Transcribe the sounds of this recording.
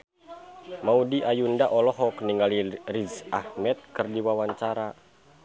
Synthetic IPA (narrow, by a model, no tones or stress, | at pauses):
maudiʔajundaʔɔlɔɦɔkniŋɡalirizahmɛt̪̚kɨrdiwawaɲt͡ʃaɾa